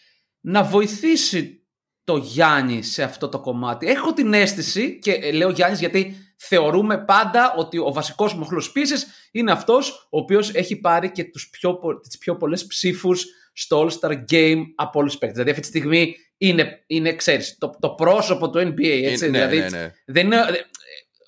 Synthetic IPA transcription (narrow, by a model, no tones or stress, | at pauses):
nɐvo̞iθisi | t̪o̞ʝɐɲise̞ɐft̪o̞t̪o̞ko̞mɐt̪ie̞xo̞t̪ine̞st̪isice̞le̞oʝɐɲizʝɐt̪i | θe̞o̞ɾume̞pɐnd̪ɐʔo̞t̪io̞vɐsiko̞zmoxlo̞spisis | ine̞ɐft̪o̞so̞ːpio̞se̞çipɐɾice̞t̪uspçopot̪i̥spço̞po̞lespsifusː | t̪oolst̪ɐɾɟe̞jmɐpolispekt̪ðilɐðiɐft̪it̪i̥st̪iɣmi | ine̞inekseɾist̪ot̪o̞pɾo̞so̞po̞t̪uenbiejet͡siðilɐðiðenine